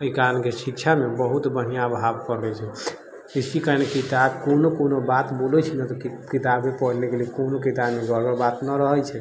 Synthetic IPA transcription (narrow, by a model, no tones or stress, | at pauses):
əikalkesikt͡ʃʰamebəɦut̪bənijabʱabkəɾnɛt͡ʃʰɛ | isikanekit̪abkonokonobat̪bolɛt͡ʃʰɛnət̪ɔkkit̪abmepəɽnekelikonokit̪abmeɡʱəɾbəɾbat̪nəɾəɦət͡ʃʰɛ